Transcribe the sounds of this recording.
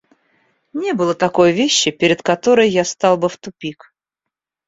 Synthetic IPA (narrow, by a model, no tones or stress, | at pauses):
nʲebɨlˠət̪ɐko̞jvʲeɕːɪpʲɪɾʲɪt̪kɐt̪oɾəjːast̪ɑlˠbɨft̪ʊpʲik